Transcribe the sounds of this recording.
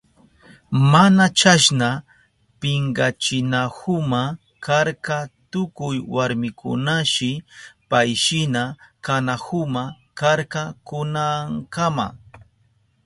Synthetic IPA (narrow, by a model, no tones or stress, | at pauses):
manat͡ʃaʃna | pɪŋɡat͡ʃɪnahʊma | kaɾkat̪ʊkʊjwaɾmɪkʰʊ̰naʃɪpajʃɪnakanahʊma | kaɾkakʊnaŋkama̰